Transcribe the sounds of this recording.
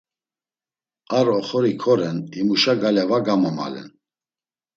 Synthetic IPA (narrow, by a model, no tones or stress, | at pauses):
aɾɔχɔɾikʰɔɾɛnimuʃaɡalɛvaɡamɔma̰lɛ̰n